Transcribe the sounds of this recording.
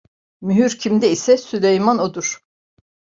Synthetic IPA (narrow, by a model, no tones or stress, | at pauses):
myɦyɾcʰimd̪ɛisɛsylʲejmanod̪uɾ̥